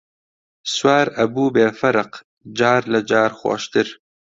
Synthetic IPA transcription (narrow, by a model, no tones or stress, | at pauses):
swaːɾɐbuːbeːfɐɾɨq | d͡ʒaːɾlɐd͡ʒaːɾxwo̰ːʃt̪ɨɾ